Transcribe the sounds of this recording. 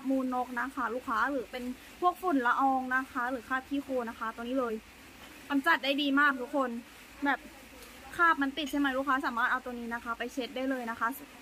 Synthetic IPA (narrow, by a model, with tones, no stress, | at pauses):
p̚muː˧nːo˧˦˥k̚na˦˥kʰa˧˥˩luː˧˥˩kʰaː˧˥lɯː˩˦pe˧n | pʰu˥˩ək̚fu˨˩nla˧ʔɔː˧ŋna˦˥kʰa˦˥lɯː˩˦kʰaː˥˩p̚t̪ʰiː˧˥˩xʰoː˧na˦˥kʰa˦˥t̪u˧ŋniː˦˥lɤː˧j | ka˧nt͡ɕa˨˧˩t̪̚daː˥˩jdiː˧maː˥˩k̚t̪ʰu˦˥kʰːo˧n | bɛː˨˩p̚ | kʰaː˥˩p̚ma˧nt̪i˨˩t̪̚sa˧˥˩ma˨˧˦jluː˧˥˩kʰaː˧˥saː˩˦maː˥˩t̪ʔa˧wt̪ːniː˦˥na˦˥kʰa˦˥pa˧jt͡ɕʰe˦˥t̪̚daː˥˩jlɤː˧jna˦˥kʰa˦˥s